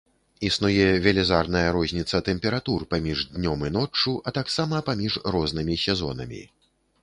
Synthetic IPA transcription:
isnujɛvʲɛlʲɛzarnɐjɐɾɔzʲnʲit̪sɐt̪ɛmpʲɛɾat̪urpamʲiʐd̪ʲnʲɔmɨn̪ɔt͡ʂːuʔɐt̪aksamɐpamʲiʐrɔznɨmʲisʲɛzɔ̰n̪ɐ̰mʲḭ

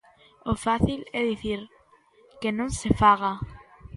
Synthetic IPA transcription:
ofaθilɛðiθiɾ | kenõŋsefaɣa

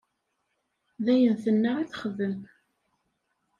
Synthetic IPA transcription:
ðæjənθənːaʁiθχəðəm

